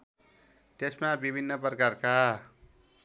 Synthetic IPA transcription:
t̪esmabibʱinːʌprʌkarka

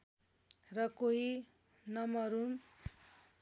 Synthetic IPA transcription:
rʌkoɦi | nʌmʌɾun

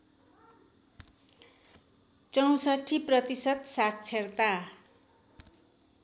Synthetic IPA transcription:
t͡sʌw̃sʌʈʰiprʌt̪isʌt̪sat̪̚t͡sʰert̪a

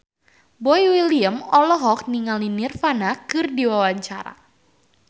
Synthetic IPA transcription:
bɔjwiliəmɔlɔɦɔk̚niŋalinirfanakɨrdiwawaɲt͡ʃaɾa̰

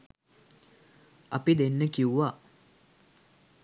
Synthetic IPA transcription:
ɐpid̪enːəkiuʋa

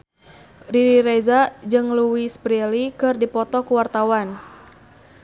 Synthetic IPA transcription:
riɾiɾezad͡ʒɨŋluwisbɾelikɨrdipɔt̪ɔkuwart̪awan

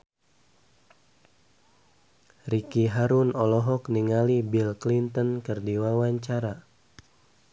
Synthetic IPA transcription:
rikiɦaɾunɔlɔɦɔkniŋalibilklint̪ɔnkɨrdiwawaɲt͡ʃaɾa

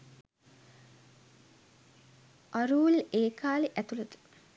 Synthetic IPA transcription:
aɾuːleːkaːleʔæt̪uləd̪u̥

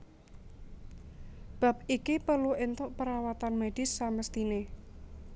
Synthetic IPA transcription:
b̥a̤p̚ikipəluent̪ʊʔpəɾawat̪anmed̥ɪ̤sːaməst̪ine

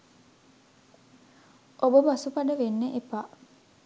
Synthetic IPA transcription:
ʔobəbasupaɖəʋenːeʔepa

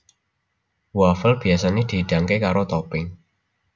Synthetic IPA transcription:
wafəlb̥i̤asanid̪̥iɖ̥a̤ŋkekaɾot̪ɔpɪŋ

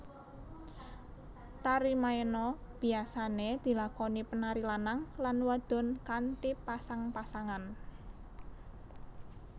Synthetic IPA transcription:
t̪aɾimaenɔb̥i̤asaned̪̥i̤lakɔnipənaɾilanaŋlanwad̪̥ɔ̤nkant̪ipasaŋpasaŋan

